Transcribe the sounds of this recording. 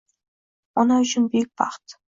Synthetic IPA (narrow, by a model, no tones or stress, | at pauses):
onɑʏɕɘ̆nbek̚ʲpɑ̰χt̪